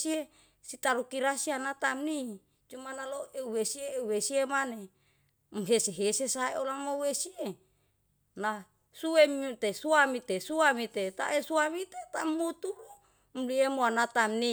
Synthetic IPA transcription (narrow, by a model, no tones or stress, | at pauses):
sie | sit̪aɾukiɾasianat̪amni | t͡ʃumanaloeuwesieuwesiemane | mɦeseɦesesaeolamouwesie | na | suwemt̪esuamit̪esuamit̪et̪a̰ʔesuamit̪et̪amːut̪ulu | mliemoanat̪amni